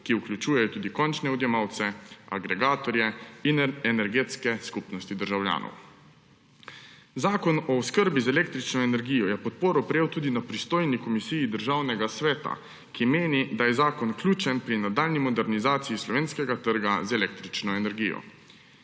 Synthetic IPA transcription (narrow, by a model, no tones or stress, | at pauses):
kiuklʲut͡ʃuːjɛjɔt̪uːd̪ikɔnt͡ʃnɛɔd̪jɛmaːwt̪sɛaɡɾɛɡaːt̪ɔɾjɛinɛnɛɾɡeːt̪skɛskupnɔst̪id̪əɾʒawlja̰ːnʔɔ̰w | zaːkɔnɔːskəɾbizɛleːkt̪ɾit͡ʃnɔɛnɛɾɡiːjɔjɛpɔt̪̚poːɾɔpɾɛjeːwt̪uːd̪inapɾist̪oːjnikɔmisijːd̪əɾʒaːwnɛɡasʋɛːt̪a̰ | kimeːnid̪ajɛzaːkɔnklʲjuːt͡ʃɛnpɾinad̪aːlnimɔd̪ɛɾnizaːt̪sijislɔʋeːnskɛɡat̪əɾɡazɛlek̚t̪ɾit͡ʃnɔɛnɛɾɡijɔ̰